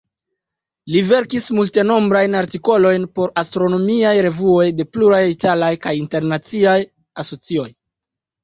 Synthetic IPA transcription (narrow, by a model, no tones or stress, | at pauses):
live̞ɾkismulte̞no̞mbɾajnaɾtiko̞lo̞jnpo̞ɾastɾo̞no̞miajɾe̞vuo̞jde̞pluɾajitalajkajinte̞ɾnat͡siaj | aso̞t͡sio̞j